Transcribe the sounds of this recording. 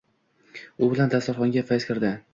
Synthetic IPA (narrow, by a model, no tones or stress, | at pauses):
ʊbɪland̪ast̪aɾχɒŋɡʲafajskʲʰɪɾd̪ɪ